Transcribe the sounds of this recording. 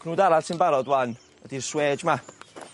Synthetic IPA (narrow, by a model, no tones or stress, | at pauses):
nuːdaɾḁsʰɪnbaɾɔdwan | ədirsweːd͡ʒma